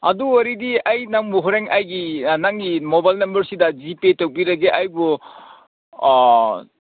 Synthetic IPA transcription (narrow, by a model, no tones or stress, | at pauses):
ɐ̰duwaɾidiajnaŋbuɦɔɾeŋʔajɡinaŋɡimobajlnɐmbɐɾsidɐzipetowbiɾɐɡeʔajbu